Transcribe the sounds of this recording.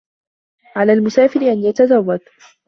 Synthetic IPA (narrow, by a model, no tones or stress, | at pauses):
ʕalaːlmʊsaːfɪɾɪʔanjat̪azawːad̪